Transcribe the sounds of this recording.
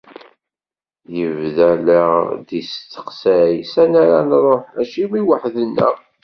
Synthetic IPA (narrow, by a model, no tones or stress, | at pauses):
jəvðælæðist̪ːə̥qsæjsænaɾanrˤoħæʃimiwəħðənːə̰